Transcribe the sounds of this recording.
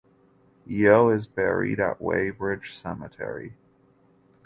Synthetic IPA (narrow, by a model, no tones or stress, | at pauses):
ioʊɪzbɛɹḭɾɨ̰ʔwḛɪbɹɪd̥ʒ̥sɛmətʰɛ̰ɹḭ